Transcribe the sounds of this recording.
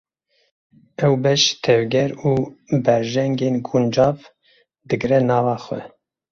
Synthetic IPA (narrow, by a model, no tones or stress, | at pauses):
ɛwbɛʃt̪ʰɛvɡʲɛɾuːbɛɾʒɛŋɡeːnɡund͡ʒɑːv | d̪ɨɡɾɛnɑːvɑːxʷwɛ̰